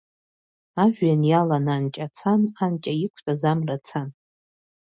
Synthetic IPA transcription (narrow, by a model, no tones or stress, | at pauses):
aʒᶣʷanjalanankʲʼat͡sʰanankʲʼajikʷʰtʼazamrat͡sʰan